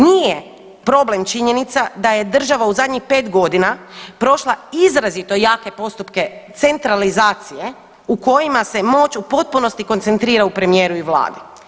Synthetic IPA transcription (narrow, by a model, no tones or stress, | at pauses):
nije | pɾo̞ble̞mt͡ʃiɲe̞nit̪sad̪aje̞d̪r̩ʒaʋauzad̪ɲixpe̞ːt̪ɡo̞d̪inapɾo̞ʃlˠaizɾazit̪o̞jaːke̞po̞st̪upket̪se̞nt̪ɾalizaːt̪sije | uko̞jimase̞mo̞t͡ʃupo̞t̪̚puno̞st̪iko̞nt̪se̞nt̪ɾiːɾaupɾe̞mije̞ːɾuiʋla̰ːd̪i